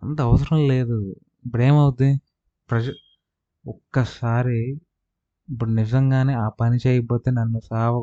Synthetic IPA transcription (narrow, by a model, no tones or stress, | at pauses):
ɐnt̪ɐɐʋɐsɐɾɐmle̞ːd̪u | bɾeːmɐwud̪i | pɾɐd͡ʒɐ | ɔkːɐsaːɾiː | pːuɽunid͡ʒɐŋɡaːneːaːpɐnit͡ʃeːjɐpoːt̪eːnɐnːusaːʋɐ